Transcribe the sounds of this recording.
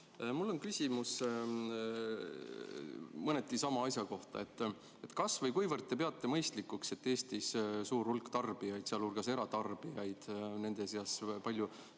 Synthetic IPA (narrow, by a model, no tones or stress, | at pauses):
mulːo̞nkysʲimus | mɤne̞t̪ːˑisɑmɑɑjsʲjɑko̞ht̪ɑ̰e̞t̪ːˑ | e̞t̪kɑsvɤjkujvɤrd̪̚t̪ːe̞p̬e̞ɑt̪ːe̞mɤjst̪likːˑukse̞t̪ːe̞ːst̪issuːrhulkːt̪ɑrb̥ijɑjd̪̥seɑlurɡ̥ɑse̞ɾɑt̪ɑrb̥ijɑjd̪̥ne̞nd̪̥eseɑspɑlʲːju